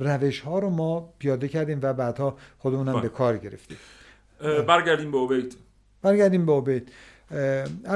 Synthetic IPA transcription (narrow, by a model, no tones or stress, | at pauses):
ræve̞ʃhɒːɾomɒːpʰijɒːd̪ecʰæɾd̪iːmvæbæːd̪̥hɒːxod̪emuːnæmbekʰɒːɾɟe̞ɾḛft̪ḭːm | bæɾɡæɾd̪iːmbeobejt̪ | b̥æɾɡæɾd̪iːmbeobejt̪ | æ